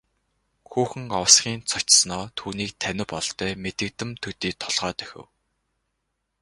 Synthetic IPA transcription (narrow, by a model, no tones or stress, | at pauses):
xuːxɘ̆ŋɔwsχʲiːnt͡sʰʊt͡ɕsnɔːt̪ʰuːniːk̚t̪ʰænʲɪ̆pɔɮt̪œːmet̪ɘ̆k̚t̪ɘ̆mt̪ʰɵt̪iːt̪ʰɔɮʁœːt̪œ̥xʲɘ̰̆w